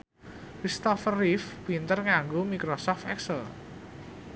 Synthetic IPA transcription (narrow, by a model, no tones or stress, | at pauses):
kɾist̪ɔfərifwint̪ərŋaŋɡomikɾɔsɔft̪ɛksəl